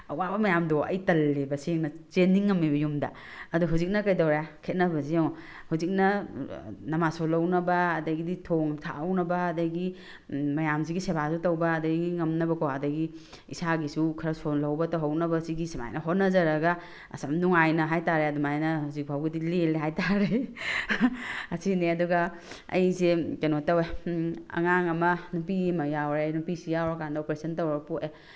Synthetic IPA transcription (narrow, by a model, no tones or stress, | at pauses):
ɐwabɐmɐjamdoɐ̰jtɐlːebɐseŋnɐt͡ʃenːiŋːɐmːibɐjumdɐ̰ | ɐduɦuzik̚nɐkɐjdawɾjakʰet̚nɐbɐsiaŋ | huzik̚nɐ | nɐmasolɐwnɐbɐːdɐɡiditʰoŋtʰa̰ɐwnɐbɐːdɐɡi | mɐjamziɡisebasutɐwbɐːdɐɡiŋɐmnɐbɐkʰowadɐɡi | isaɡisukʰɐɾɐsonlɐwbɐtɐwɦɐwnɐbɐsiɡisema̰jnɐɦot̚nːɐzɐɾɐɡɐ | ɐ̰sɐmduŋajnɐɦajtaɾeɐdumajnɐhuzik̚bʰʱawɡidileleɦajtaɾe | ɐsineɐduɡɐ | ɐ̰jsekenotɐweɐ̰ŋaŋɐmɐnupimɐjawɾenupisijawɾɐkandɐopɾesɐntɐwɾɐpue